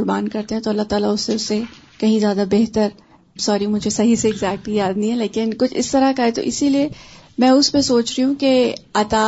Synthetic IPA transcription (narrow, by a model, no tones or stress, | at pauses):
ʊɾbaːnkɐɾt̪ẽɦɛ̃t̪oɐlːat̪aːlaʊsːeʊsːe | kɐɦĩzjaːd̪abeɦt̪əɾ | sɔːɾĩmʊd͡ʒʱesɐɦiseːɡzɛːk̚ʈijaːd̪nɐĩɦɛ̃leːkɪnkʊt͡ʃʰɪ̰st̪ɐɾakaɦɛt̪o̰ʔɪsiliemɛ̃ːʊspesoːt͡ʃɾiɦũkeaːt̪a